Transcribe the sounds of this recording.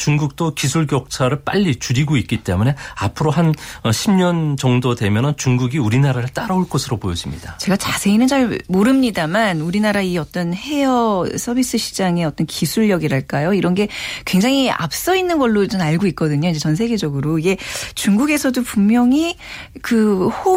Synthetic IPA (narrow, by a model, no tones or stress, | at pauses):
t͡ɕuŋɡuk̚t͈okisʰuɭkjʌk̚t͡ɕʰaɾɯɭp͈aʎːit͡ɕuɾiɡoit̚k͈it͈e̞mune̞apʰɯɾoɦanʌɕʰimɲʌnt͡ɕʌŋdodwe̞mjʌnɯnt͡ɕuŋɡuɡiuɾinaɾaɾɯɭt͈aɾʌuɭk͈osʰɯɾopojʌd͡ʑimɲid̥at͡ɕe̞ɡat͡ɕasʰe̞inɯnt͡ɕaɭmoɾɯmɲidamanuɾinaɾaiʌt͈ʌnhe̞jʌsʰʌbis͈ɯɕʰi̥d͡ʑaŋe̞ʌt͈ʌnkisʰuɭːʌɡiɾaɭk͈ajoiɾʌnɡe̞kwe̞ŋd͡ʑaŋia̰p̚s͈ʌinːɯnɡʌɭːot͡ɕonaɭɡoik̚k͈ʌdɯɲoind͡ʑe̞t͡ɕʌns̬ʰe̞ɡe̞d͡ʑʌɡɯɾoiɡe̞t͡ɕuŋɡuɡe̞sʰʌdopummjʌŋikɯho